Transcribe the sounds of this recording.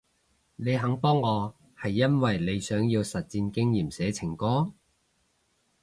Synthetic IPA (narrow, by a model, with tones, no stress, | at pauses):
ne˨˧jɦɐ˨˥ŋpɔː˥ŋːɔː˨˧ | hɐ˨jːɐ˥nwɐ˨jle˨˧jsœː˨˥ŋjiː˧wsɐ˨t̚t͡siː˧nkɪ˥ŋjiː˨˩msɛː˨˥t͡sʰɪ˨˩ŋkɔː˥